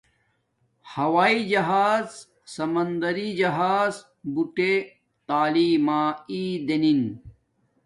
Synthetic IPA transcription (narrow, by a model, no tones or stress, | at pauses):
hɐwaːid͡ʑɐɦaːz | sɐmɐnd̪ɐɾid͡ʑɐɦaːz | buʈe | t̪aːliːmaːid̪enin